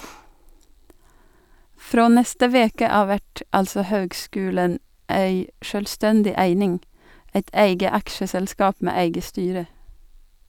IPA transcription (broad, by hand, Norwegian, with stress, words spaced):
ˈfɾoː ˈnɛstə ˈʋeːkə ˈɑːʋ ˈʋæʈ ˈɑlsɔ ˈhøːɡˌskʉːlən ˈeɪ ˈʃøːlˌstɛndɪ ˈæɪnɪŋ ˈɛt ˈæɪɡə ˈɑkʃəsɛlˌskɑːp ˈmeː ˈæɪɡə ˈstyːɾə